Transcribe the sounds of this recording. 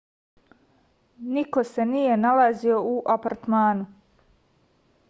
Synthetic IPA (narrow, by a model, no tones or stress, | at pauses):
niko̞se̞nije̞nalazio̞uʔapaɾt̪maːnu